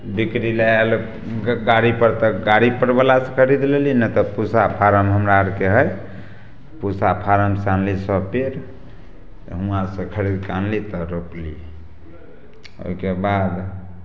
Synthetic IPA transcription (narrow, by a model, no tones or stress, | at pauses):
bikɾileel | ɡaɾipəɾt̪ɔɡaɾipəɽbəlasə̃kʰəɾid̪lelinət̪ɔpusapʰaɾəmɦəmɾaəɾkeɦəj | pusapʰaɾəmsanlisəbpeɾ | ɦũãsə̃kʰəɾid̪kanlit̪ɔɾoplḭ | o̰ikebad̪